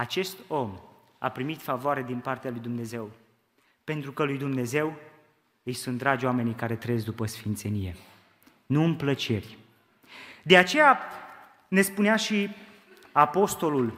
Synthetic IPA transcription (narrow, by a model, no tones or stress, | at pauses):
at͡ʃe̞st̪o̞m | a̰pɾimit̪favoaɾe̞d̪inpart̪ealujd̪umne̞ze̞w | pe̞nt̪ɾukəlujd̪umne̞ze̞w | ɨjsunt̪̚d̪ɾad͡ʒʲoame̞nijkaɾe̞t̪ɾeezd̪upəsfint̪se̞nije̞ | nuɨmplət͡ʃe̞rʲ | d̪e̞at͡ʃe̞ja | ne̞spuneaʃi | apo̞st̪o̞lul